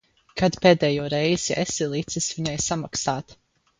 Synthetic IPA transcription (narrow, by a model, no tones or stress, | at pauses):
kʰad̪peːd̪ɛːjɔːɾɛjz̥iʔɛsilˠit̪sisviɲajsamaksaːt̪